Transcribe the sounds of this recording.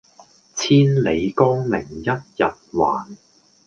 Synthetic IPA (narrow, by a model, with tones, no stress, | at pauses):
t͡sʰiː˥nle˨˧jkɔː˥ŋlɪ̰˨˩ŋjɐ˥t̚jɐ˨t̚wa̰ː˨˩n